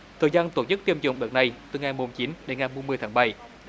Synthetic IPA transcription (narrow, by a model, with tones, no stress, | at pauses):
t̪ʰəː˨˩jzaː˧nt̪o˧˩t͡ɕɨ˦˥k̚t̪i˧əmzʊ̰˧˨ŋ͡mɗə˨˩t̚na˨˩jt̪ɨ˨˩ŋa˨˩jmo˨˩mt͡ɕi˨˦nɗe˨˦nŋa˨˩jɓu˧mɨ˧əjt̪aː˨˦˥ɓa˧˩j